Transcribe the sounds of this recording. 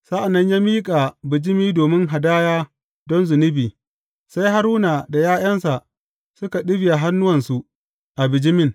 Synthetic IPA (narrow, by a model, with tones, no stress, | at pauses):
sa˦ʔa˨nːɐ˦ɲjaː˦miː˦kʼa˨bɪ˨d͡ʒɪ˦miː˦doː˨mɪ˦ŋɦa˨daː˦jaː˦ | dɔ˦nzʊ˨nɪ˦biː˨ | sa˦jɦa˦ɾuː˦na˨da˨jaː˦j̰ɐ˦nsa˨ʔ | sʊ˦ka˨ɗɪ˦bɪ˨ja˨ɦa˦nːʊ˦wɐ˨nsu˨ʔ | ʔa˨bɪ˨d͡ʒɪ˦mɪ˦˨n